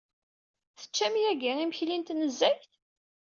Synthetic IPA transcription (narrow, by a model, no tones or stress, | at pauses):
θə̥t͡ʃːæmijæɡiʁimçlint̪nəzːæçt